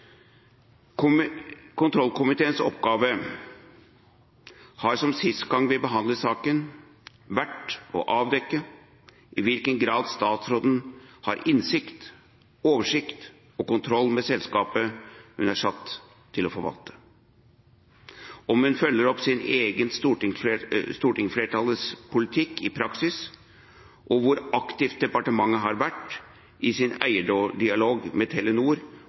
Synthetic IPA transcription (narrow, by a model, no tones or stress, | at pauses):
kʰʊnt̪ʰɾɔlːkʰʊmɪt̪ʰeːənsɔ̰pːɡɑːʋə | hɑɾʂɔmsɪst̪ɡɑŋːʋɪbəɦɑnd̪ləsɑːkən | ʋæʈɔ̰ʔɑːʋd̪ɛkːə | ʔɪʋɪlkənɡɾɑːd̪st̪ɑːt̪sɾoːd̪n̩hɑ̰ɾɪnsɪkt̪ | oːʋəʂɪkt̪ | ɔkʊnt̪ʰɾɔlːmɛsɛlskɑːpəhʉnæʂɑt̪ʰː | ɪlɔfɔɾʋɑ̰lt̪ʰə̥ | ɔmhʉnfœlːəɾɔpːsɪneːɡənst̪uːʈɪŋst̪uːʈɪŋfleːʈʰɑləspʰʊlɪt̪ʰɪkːɪpʰɾɑksɪs | ʔɔʋʊɾɑkt̪ɪft̪̚d̪ɛpɑʈəmɑŋːəɦɑɾʋæʈː | ʔɪsɪnæ̰ɪəɖoːɖɪɑloːɡmɛt̪ʰɛlːənuːɾ